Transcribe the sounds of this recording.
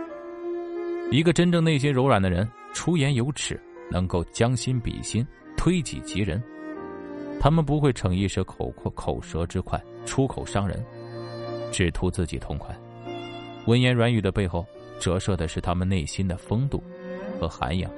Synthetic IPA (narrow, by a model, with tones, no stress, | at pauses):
i˧˥ɡə˧ʈ͡ʂə˥nʈ͡ʂɤ˥˧ŋne˥˩ɪɕ̬i˥nɻʊ˧˥ʊɻwa˨˩nd̪ə˦ɻə˧˥n | ʈ͡ʂʰu˥jɛ˧˥njo˧˥ʊʈ͡ʂʰɻ̩˨˩˦ | nɤ˧˥ŋko˥˩ʊt͡ɕjɑ˥ŋɕi˥npḭ˨˩ɕi˥n | t̪ʰwe˥ɪt͡ɕḭ˨˩t͡ɕi˧˥ɻə̰˧˥n | t̪ʰa˥mə˨np̬u˧˥xwe˥˩ɪʈ͡ʂʰɤ˧˥ŋi˥˧ʂɤ˧˥kʰkʰo˨˩ʊʂɤ˧˥ʈ͡ʂɻ̩˥kʰwa̰˥˩ɪʈ͡ʂʰu˥kʰo˨˩ʊʂɑ˥ŋɻə̰˧˥n | ʈ͡ʂɻ̩˨˩t̪ʰu˧˥t͡sɹ̩˥˩t͡ɕḭ˨˩t̪ʰʊ̰˧˥ŋkʰwa̰˥˩ɪ | wə˧˥njɛ˧˥nɻwa˧˥ny˨˩d̪ə˧pe˥˧ɪxo˥˩ʊ | ʈ͡ʂɤ˧˥ʂɤ˥˩d̪ə˩ʂɻ̩˥˩t̪ʰa˥mə˨ne˥˩ɪɕi˥nd̪ə˨fɤ˥ŋt̪ṵ˥˩ | xɤ˧˥xa̰˧˥njɑ̰˨˩˦ŋ